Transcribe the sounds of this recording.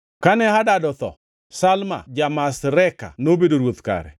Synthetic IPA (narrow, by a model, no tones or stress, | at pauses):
kanɛɦadadɔt̪ɔ̰ | salma̰d͡ʒamasɾɛka̰nobedoɾwot̪ka̰ɾɛ̰